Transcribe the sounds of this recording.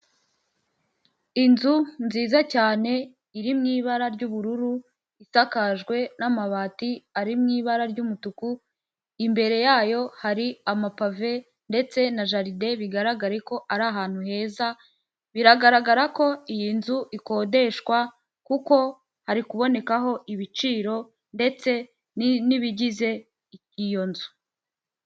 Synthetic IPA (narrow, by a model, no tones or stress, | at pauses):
inzunziːzacaːne̞ | iɾimŋiːβaɾaɾɟuːβuɾuɾu | isakaʒɡwe̞namaβaːtiaɾimŋiːβaɾaɾɟumutuku | imbe̞ɾe̞jaːjo̞haɾiamapave̞ | nde̞t͡se̞naʒaɾide̞βiɡaɾaɡaɾeko̞ʔaɾaɦaːn̥huhe̞ːza | βiɾaɡaɾaɡaɾako̞ijinzuʔiko̞ːde̞ʃkwa | kuko̞ | haɾikuβo̞ne̞kaɦo̞ʔiβit͡ʃiːɾo̞ | nde̞t͡se̞ | niβiɟize̞ | icijo̞nzu̥